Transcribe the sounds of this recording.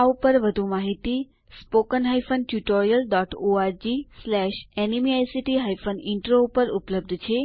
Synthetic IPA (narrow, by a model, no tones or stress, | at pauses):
aupəɾʋəd̪ʱũmaɦit̪i | spokənɦajfənʈjuʈoɾijəlɖɔʈoaɾd͡ʒislɛʃɛnimiajsiʈiɦajfənɪɳʈɾoupəɾupləb̚d̪ʱt͡ʃʰe